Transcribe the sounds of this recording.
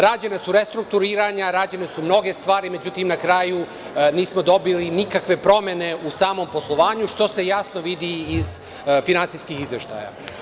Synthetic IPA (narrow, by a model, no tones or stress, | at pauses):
ɾaːd͡ʑenasuɾe̞st̪ɾuk̚t̪uɾiːɾaɲaɾaːd͡ʑenesumno̞ɡe̞st̪ʋaːɾime̞d͡ʑut̪imnakɾaju | niːsmo̞d̪o̞bilinikakʋe̞pɾo̞me̞ne̞usaːmo̞mpo̞slˠo̞ʋaːɲuʃt̪o̞se̞jasno̞ʋid̪iːz | finant̪sijskixizʋe̞ʃt̪a̰ːja̰